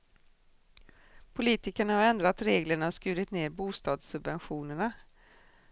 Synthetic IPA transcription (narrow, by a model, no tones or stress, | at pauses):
pʰʊliːt̪ɪkəɳahaɾɛnd̪ɾat̪ɾeːɡləɳaskʉ̟ːɾɪt̪neːɾbuːst̪ɑːd̪sɵbvɛnɧuːnəɳa